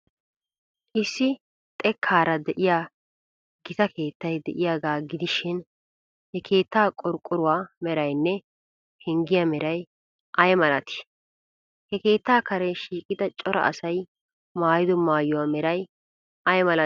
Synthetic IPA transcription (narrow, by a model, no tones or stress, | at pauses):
ʔɪsːɪ | t̪ʼɛkʰːaːɾɐd̪ɛʔɪjaː | ɡ̥ɪt̪ɐke̞ːt̪ːɐjd̪ɛʔɪjaːɡaːɡɪd̪ɪʃɪn | hɛkʰe̞ːt̪ːaːkʼɔɾkʼːʊɾʊwaːmɛɾɐjnːɛ | hɛŋɡɪjɐmɛɾɐj | ʔɐjɛmɐlɐt̪ɪ̥ | hɛke̞ːt̪ːaːkɐɾɛʃiːkʼɪd̪ɐt͡ʃʼɔɾɐ̰ʔɐ̰sɐj | maːjɪd̪ɔmaːjʊwaːmɛɾɐj | ʔɐjɛmɐlɐ